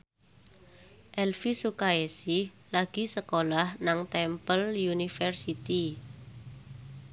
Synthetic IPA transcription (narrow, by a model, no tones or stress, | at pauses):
ʔɛlfisukaesi | laɡ̥i̤səkolahnaŋt̪ɛmpəljunifərsit̪i